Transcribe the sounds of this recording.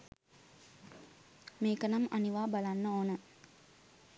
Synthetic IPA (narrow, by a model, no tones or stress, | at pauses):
meːkənamaniʋaːbalanːəoːnə